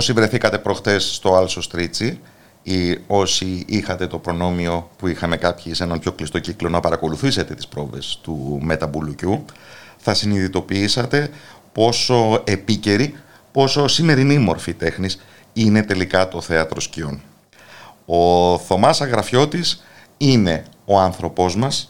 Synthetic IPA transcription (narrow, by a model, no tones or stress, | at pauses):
osivɾe̞θikɐt̪e̞pɾo̞xt̪e̞sːt̪o̞ɐlso̞st̪ɾit͡si | io̞siixɐt̪e̞t̪o̞pɾo̞no̞mio̞puixɐme̞kɐpçise̞nɐmpço̞klist̪o̞ciklo̞nɐpɐɾɐko̞luθise̞t̪e̞t̪i̥spɾo̞ve̞̰st̪ume̞t̪ɐbulucuθɐsiniðit̪o̞piisɐt̪e̞po̞so̞e̞pice̞ɾi | po̞so̞sime̞ɾinimo̞ɾfit̪e̞xnis | ine̞t̪e̞likɐt̪o̞θe̞ɐt̪ɾo̞scio̞n | o̞θo̞mɐsɐɣɾɐfço̞t̪is | ine̞o̞ɐnθɾo̞po̞zmɐs